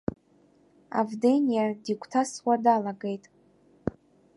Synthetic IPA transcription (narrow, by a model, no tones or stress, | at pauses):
a̰vdenijadikʷʰʼtʰaswadalaɡe̞jtʼ